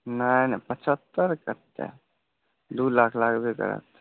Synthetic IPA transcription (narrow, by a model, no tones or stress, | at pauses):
nanɛpət͡ʃʰət̪ːəɾkət̪ḛ | d̪ulakʰlakbekə̰ɾə̰t̪